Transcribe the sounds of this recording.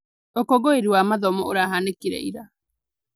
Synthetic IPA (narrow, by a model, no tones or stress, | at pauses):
okɔɡoeɾiwamaðɔmɔoɾaɦanekiɾɛ̰ḭɾa